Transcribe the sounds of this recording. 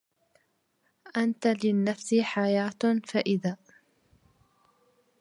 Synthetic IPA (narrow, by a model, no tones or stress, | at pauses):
ʔant̪alɪnːafsiħajaːt̪faʔɪðaː